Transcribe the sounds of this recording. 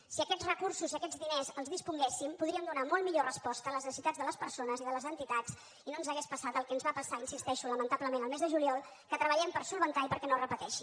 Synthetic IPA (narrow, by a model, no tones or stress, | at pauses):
siəkɛd͡zrəkursuziəkɛd͡zðinezəlˠzðispuŋɡɛsimpuðɾiəmd̪unamolˠmiʎorəspɔst̪əːləznəsit̪ad͡zðələspəɾsonəziðələzənt̪it̪at͡s | inonzəɣɛspəsat̪əlˠkɛənzβapəsainsist̪ɛʃuləmənt̪abləmenəlˠmɛzðəʒuliɔlˠ | kət̪ɾəβəʎɛmpəɾsulˠβənt̪aipəɾkɛnorəpət̪ɛʃi